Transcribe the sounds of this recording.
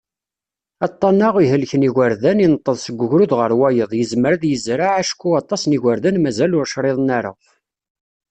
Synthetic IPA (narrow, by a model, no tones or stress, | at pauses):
ɑt̪ˤːɑnːɑʁiɦəlçəniɣəɾðæninət̪ˤːəðˤsəɡʷːʊʝɾuðʁəɾwæjəðˤjəzməɾaðjəzɾaʕaʃkːuɑt̪ˤːɑsniɣʷaɾðænmæzælʊɾʃɾˤeðˤnæɾˤə̰ʁ